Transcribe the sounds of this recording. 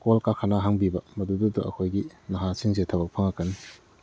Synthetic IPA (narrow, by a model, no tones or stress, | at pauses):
kolkakʰanaɦaŋbibɐmɐdudutuʔɐkʰojɡinɐɦasiŋzetʰɐbɐk̚pʰɐŋakːɐn